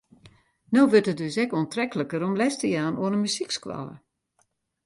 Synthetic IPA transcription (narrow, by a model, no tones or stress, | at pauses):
nowʋøtət̚døsɛkoəntrɛkələkəɾɔmlɛstəjaːnoənənmysikskwa̰lə̰